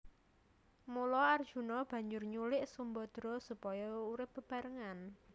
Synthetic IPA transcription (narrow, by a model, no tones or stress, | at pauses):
mulɔard̥ʒ̥ṳnɔb̥ä̤ɲd͡ʒʊrɲulɪʔsumbɔd̪̥ɾɔ̤supɔjɔuɾɪp̚b̥ə̤b̥a̤ɾəŋan